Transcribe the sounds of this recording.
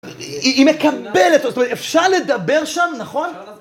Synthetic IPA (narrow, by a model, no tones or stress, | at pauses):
iimekabelet̪zotomet̪efʃaʁle̞d̪abe̞ʁʃamnaχo̞n